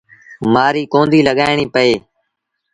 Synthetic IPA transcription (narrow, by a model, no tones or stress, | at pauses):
maːɾiːkõːnd̪ʱiːləɠaːɪɳ̃iːpəeː